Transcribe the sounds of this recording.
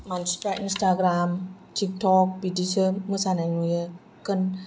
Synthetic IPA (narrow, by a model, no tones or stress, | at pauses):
manspɾaʔinst̪aɡɾamt̪ik̚tɔk̚pidisəmusanaŋujə | kən